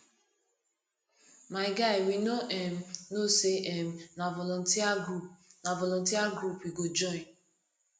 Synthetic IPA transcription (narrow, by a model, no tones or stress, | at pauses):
maɪɡaɪwinoʔem̩noseʔem̩navɔlɔn̩tianavɔlɔntiaɡɾupiɡod͡ʒɔɪn